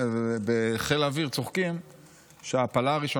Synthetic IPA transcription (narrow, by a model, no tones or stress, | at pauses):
beχelaviʁt͡soχkim | ʃeaːpalaaʁiʃo